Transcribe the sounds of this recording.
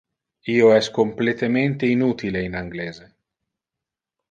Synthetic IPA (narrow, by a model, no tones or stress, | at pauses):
iːoɛskomplet̪ement̪einut̪ileinaŋɡleːze